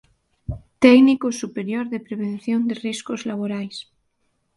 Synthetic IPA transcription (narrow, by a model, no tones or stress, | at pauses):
t̪ɛknikosupeɾjoɾðepɾeβ̞ẽn̟θjond̪eriskozlaβ̞oɾajs